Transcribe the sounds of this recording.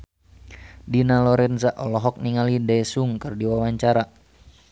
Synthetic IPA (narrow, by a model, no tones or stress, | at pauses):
dinalɔɾɛnzaʔɔlɔɦɔk̚niŋalidɛsuŋkɨrdiwawaɲt͡ʃaɾa